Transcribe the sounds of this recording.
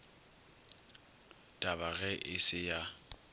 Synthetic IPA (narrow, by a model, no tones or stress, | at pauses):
tʼabaɣɛʔɪsɪja